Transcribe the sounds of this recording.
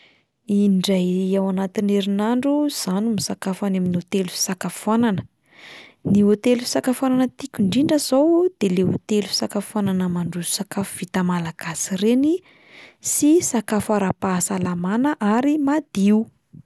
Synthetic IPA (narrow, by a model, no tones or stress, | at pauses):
iɳɖ͡ʐajawanat̪ineɾinaɳɖ͡ʐuz̥anumisakafanaminot̪elufi̥sakafananə̥ | niot̪elufi̥sakafananət̪ikʲuɳɖ͡ʐiɳɖ͡ʐəz̥owd̪̥eleot̪elufi̥sakafuananəmaɳɖ͡ʐuzu̥sakafuv̥it̪əmalaɡ̥asireni | sisakafaɾapasalamanəʔaɾimad̪iu